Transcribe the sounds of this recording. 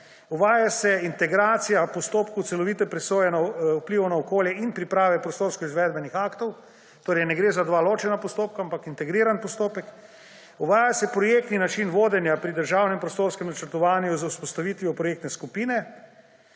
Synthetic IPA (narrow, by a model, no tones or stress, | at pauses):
uʋaːjasɛint̪ɛɡɾaːt̪sijapɔst̪oːpkot̪sɛlɔʋit̪ɛpɾɛsoːjɛnaupliʋɔnaɔkoːljɛinpɾipɾaːʋɛpɾɔst̪oːɾskɔizʋɛd̪bɛnixaːkt̪ɔw | t̪oːɾɛɪjnɛɡɾezad̪ʋaːloːt͡ʃɛnapɔst̪oːp̚kaampakint̪ɛɡɾiːɾanpɔst̪oːpɛk | uʋaːjasɛpɾɔjeːkt̪ninat͡ʃinʋoːd̪ɛnjapɾid̪əɾʒawnɛmpɾɔst̪oːɾskɛmnat͡ʃəɾt̪ɔʋaːnjuzawspɔst̪aʋit̪ʋiɔpɾɔjek̚t̪nɛskupiːnɛ